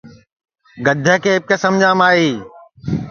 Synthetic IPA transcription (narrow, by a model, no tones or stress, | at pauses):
ɡəd̪ʱəkʰeːp̚kesɐmd͡ʒãːmaːɦiː